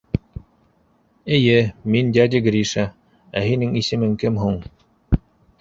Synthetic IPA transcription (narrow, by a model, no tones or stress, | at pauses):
ɘ̆jɘmind̪ʲad̪ʲiɡɾiʃa | æ̰ɦinɘŋisɘ̆mɘŋkɘmɦuɴ